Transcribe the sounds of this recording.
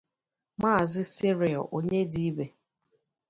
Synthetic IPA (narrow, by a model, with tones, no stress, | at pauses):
maː˦˨zɪ˦sɪ˦ɾɪ˨ɔ̰˨ʔo˨ɲe˦di˦i˦be˨